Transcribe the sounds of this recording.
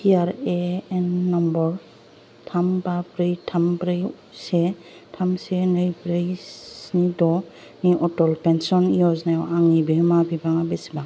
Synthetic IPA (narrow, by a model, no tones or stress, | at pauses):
iaɾeɛnːɔmbɔɾ | tʰambapɾɯjtʰampɾɯj | se | tʰamsenɯjbɾejsnidɔ | niʔɔtɔlpɛnsɔnijɔznajɔʔaŋibemabibaŋabɛsiba